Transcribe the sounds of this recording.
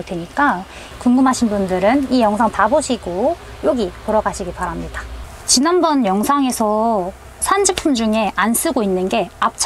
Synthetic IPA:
ɭtweɲik͈a | kuŋɡɯmɦaɕʰinbundɯɾɯnijʌŋsʰaŋtaboɕʰiɡo | joɡipoɾʌɡaɕʰiɡipaɾamɲidḁ | t͡ɕinanbʌnjʌŋsʰaŋe̞sʰʌ | sʰand͡ʑipʰumd͡ʑuŋe̞ʔans͈ɯɡoinːɯnɡe̞ap̚t͡ɕʰ

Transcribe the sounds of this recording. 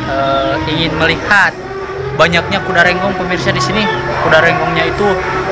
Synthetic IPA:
əiŋɪnməlihat̪̚ | baɲak̚ɲakudaɾɛŋɡɔŋpəmirsadisinikudaɾɛŋɡɔŋɲait̪u

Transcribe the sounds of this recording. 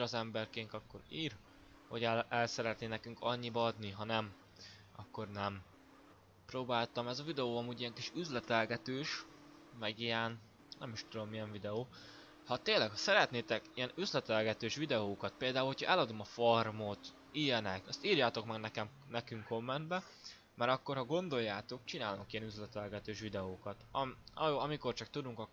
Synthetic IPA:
iɾɒzɛmbɛrkeːnt̪ɒkːo̞ɾiːɾ | ho̞ɟɛɛlsɛɾɛt̪neːnɛkyŋkɒɲːibɒɒd̪niɦɒnɛm | ɒkːo̞rnɛm | proːbaːlt̪ɒmɛzɒvid̪ɛoːɒmuːɟijɛŋkiʃyzlɛt̪ɛlɡɛt̪øːʃmɛɡijɛn | nɛmiʃt̪ud̪o̞mːijɛɱvid̪ɛoː | hɒt̪eːnlɛkhɒsɛɾɛt̪neːt̪ɛkijɛnyzlɛt̪ɛlɡɛt̪øːʃʋid̪ɛoːkɒt̪̚peːld̪aːulho̞cʰɒ̰ʔɛlɒd̪o̞mɒformot̪ | ijɛnɛkɛst̪iːrjaːt̪o̞kmɛɡnɛkɛm | nɛkyŋkːo̞mːɛnd̪bɛ | mɛɾɒkːo̞rhɒɡo̞nd̪o̞jːaːt̪o̞k̚t͡ʃinaːlnokijɛnyzlɛt̪ɛlɡɛt̪øːʃʋid̪ɛoːkɒt̪ɒmɒjoːɒmiko̞rt͡ʃɒk̚t̪ud̪uŋkɒ

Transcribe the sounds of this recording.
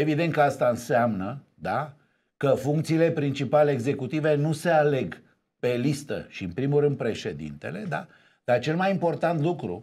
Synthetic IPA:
e̞vid̪e̞nt̪̚kəast̪aɨnseamnə | d̪a | kəfuŋkt̪siːle̞pɾint͡ʃipaleːɡze̞kut̪ive̞nuse̞ale̞ɡ | pe̞list̪ə̰ʃiɨnpɾimurɨnd̪̚pɾe̞ʃe̞d̪ḭnt̪e̞̰le̞d̪a | d̪̥art͡ʃe̞lmajimpo̞rt̪ant̪lukɾṵ

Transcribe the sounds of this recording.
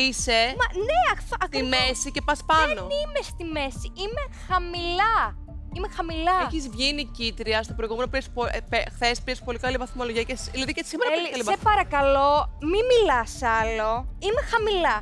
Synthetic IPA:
isemɐneɐɐkt̪imesice̞pɐspɐnonimest̪ime̞siimexɐmilɐ | imexɐmilɐeçizvʝinicit̪ɾiɐst̪opɾoiɣume̞nopiɾespopexθespiɾespo̞likɐlivɐθmo̞lo̞ʝiɐceslɐðicesimeɾɐkɐlisepɐɾɐkɐlomimilɐsɐlo̞imexɐmilɐ

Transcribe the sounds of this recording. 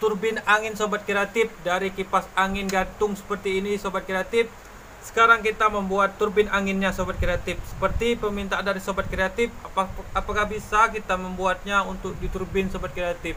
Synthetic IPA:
t̪urbɪnaŋɪnsobat̪̚kɾeat̪ɪfdaɾikipasaŋɪnɡant̪ʊŋsə̥pərt̪iːnisobat̪̚kɾeat̪ɪf | sə̥kaɾaŋkit̪aməmbuat̪ːurbɪnaŋɪnɲasobat̪̚kɾeat̪ɪf̚sə̥pərt̪ipəmint̪aʔandaɾisobat̪̚kɾeat̪ɪfaapakahbisakit̪aməmbuat̪̚ɲaunt̪ʊk̚dit̪urbɪnsobat̪̚kɾeat̪ɪf

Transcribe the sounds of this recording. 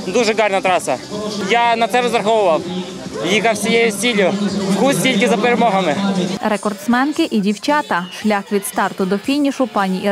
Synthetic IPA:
d̪uʒɨɡɑrnɐt̪ɾɑsɐjanɐt̪sɛɾɔzɾɐxɔʋʊʋɐw | jikɐfsʲɪjejʊsʲilʲjʊfkusʲtʲilʲkʲɪzɐpɪɾemɔɦɐmɪɾekɔrt̪smɛnkɪʔidʲiwt͡ʃɑt̪ɐʃlʲɑxʋʲid̪st̪ɑrt̪ʊd̪ɔfʲinʲiʃʊpɑnʲiʔi

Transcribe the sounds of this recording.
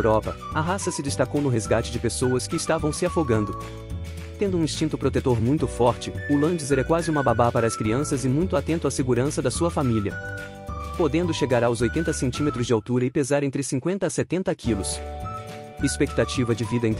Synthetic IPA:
ɾɔpɐ | ɐɦasɐsɪd͡ʒ̪ɪst̪akownʊɦezɡat͡ʃɪd͡ʒɪpesowɐskɪːst̪avɐ̃w̃sɪafoɡɐ̃nd̪ʊ | t̪ẽnd̪ʊũĩst͡ʃĩnt̪ʊpɾot̪et̪oɾmũj̃t̪ʊfɔɾt͡ʃɪʊlɐ̃d͡ʒɪzɛɾɐkwazɪũmɐbabapaɾɐːskɾiɐ̃sɐzɪmũj̃t̪ʊat̪ẽnt̪ʊaseɡuɾɐ̃sɐd̪ɐsuɐfamiliɐ̰ | pod̪ẽnd̪ʊʃeɡaɾawzojt̪ẽnt̪ɐsẽnt͡ʃĩmet̪ɾʊzd͡ʒɪawt̪uɾɐɪpezaɾẽnt̪ɾɪsĩŋkwẽnt̪ɐːset̪ẽnt̪ɐkʰilʊs | ɪspek̚t̪at͡ʃivɐd͡ʒɪvid̪ɐẽ

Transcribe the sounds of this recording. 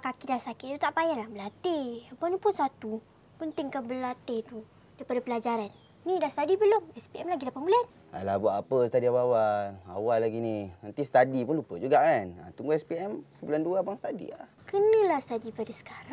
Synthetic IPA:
kakidasakɪtt̪ut̪aʔpajalahbəlat̪ɪhabanipʊnsat̪u | pənt̪ɪŋkabəlat̪ɪht̪u | daipadapəlad͡ʒaɾanː | idahst̪adibəlʊŋɛspiʔɛmlaɡit̪apamulaan | a̰lahbuaʔapəsət̪adiawawala̰walaɡininant̪isə̥t̪adipʊnlupəd͡ʒuɡaʔkana̰t̪uŋɡuɛspiɛmsəbulanduabaŋst̪adḭlahkənə̃lahst̪adipadasə̥kaɾaŋ

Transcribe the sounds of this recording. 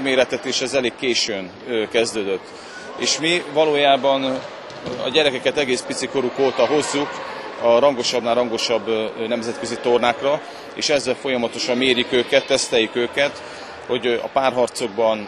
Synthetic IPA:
meːɾɛt̪ɛt̪eːʃɛzɛleːkkːeːʃøːn | kɛzd̪øːd̪øt̪ː | ḛːʃmivɒloːjaːbɒn | ɒ̰ɟɛɾɛkɛkɛt̪ɛɡeːspit̪siko̞ɾukoːt̪ɒɦo̞zːukɒɾɒŋɡo̞ʃɒbnaːɾrɒŋɡo̞ʃɒbːnɛmzɛt̪̚kø̞zit̪o̞rnaːkrɒ | ḛːʃɛzːɛlfo̞jɒmɒt̪o̞ʃɒmːeːrjykøːkɛt̪ːɛst̪ɛjykøːkɛt̪ | ho̞ɟɒ̰paːrɦɒrt̪so̞ɡ̚bɒn

